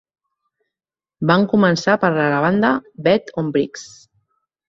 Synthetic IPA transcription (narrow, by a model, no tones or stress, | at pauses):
baŋkumənsapəɾlalaβ̞and̪əbɛt̪ʰombɾiks